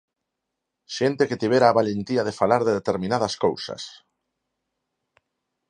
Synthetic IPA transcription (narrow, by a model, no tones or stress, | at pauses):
ʃent̪eket̪iβeɾaːβalent̪iaðefalaɾðeðet̪eɾmĩnaðɐaskowsɐ̰s